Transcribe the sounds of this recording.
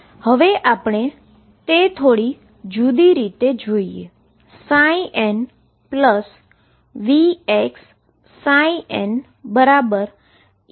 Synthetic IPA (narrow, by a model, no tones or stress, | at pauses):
həʋeʔapɳ̃e | t̪et̪ʰoɽi | d͡ʒud̪iɾit̪ed͡ʒoie | saiʔɛn | pləs | ʋieksː | ãiʔen | bəɾabəɾ